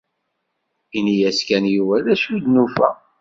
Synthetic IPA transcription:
inijæskænjuvæðæsud̪nufæ̰

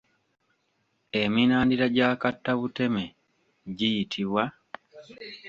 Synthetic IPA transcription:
eminaːndiɾaɟakatːaβute̞me | ɟijitʰiβwa

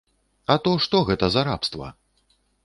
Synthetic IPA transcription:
ɐt̪ɔʂt̪ɔɣɛt̪ɐzaɾa̰pst̪vɐ̰

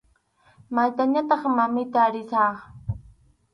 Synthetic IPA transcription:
majt̪aɲat̪ɑχmamɪt̪aːɾɪsɑːχ

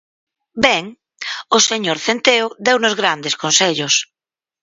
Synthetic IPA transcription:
bɛŋ | oseɲoɾθent̪eoðewnozɣɾand̪eskonseʎos

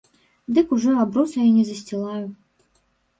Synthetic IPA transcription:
d̪ɨkuʐɔabɾusɐjinʲɛzɐsʲt͡sʲilˠaju

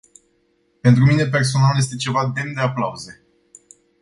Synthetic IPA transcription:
pe̞nt̪ɾumine̞p̬e̞rs̬o̞nalje̞s̬t̪e̞t͡ʃe̞vad̪e̞md̪e̞aplauze̞

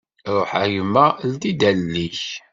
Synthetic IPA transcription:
ɾˤoħæjəmːæld̪id̪ælːiç

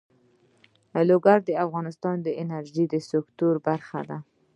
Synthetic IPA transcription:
loɡaɾd̪əafɣɑnɪst̪ɑnd̪əɪnaɾʒid̪əsʊkt̪uɾbaɾxa̰d̪a

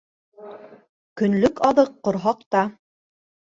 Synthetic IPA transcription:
kɵ̆nlɵkɑðɤqːŏɾɦɑqt̪ɑ

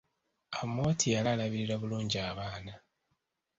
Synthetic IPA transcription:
amːo̞ːtʰijalalaβiɾiɾaβuluːɲɟiaːβaːna

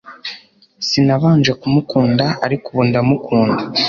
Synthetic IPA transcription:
sinaβaːnd͡ʒekumukuːndaaɾikuβundamukʰuːnda

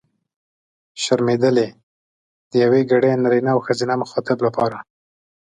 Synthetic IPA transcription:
ʃaɾmed̪əle | d̪̥əjaweɡaɽenaɾinaːwxəzinamʊxɑt̪ɪblapɑɾa

